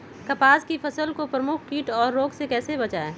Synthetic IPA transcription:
kɐpaːzkifɐsəlkopɾɐmʊkʰkiːʈɔːɾːoːɡsekɛːsebɐt͡ʃaːeː

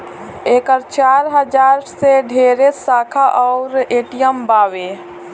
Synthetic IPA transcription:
eːkəɾt͡ʃaːɾɦəd͡ʒaːɾseɖʱeɾesaːkʰaʔɔʊɾeːʈijəmbaːʋe

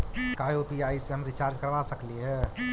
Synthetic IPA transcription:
kajopiaiseɦəmɾit͡ʃaɾd͡ʒkəɾʋasəkliɦɛ

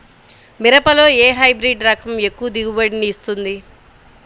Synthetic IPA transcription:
miɾɐpɐlo̞ːeːɦɐjbɾiɖɾɐkʰɐme̞kːuʋɐd̪iɡubɐɽiniːst̪und̪i

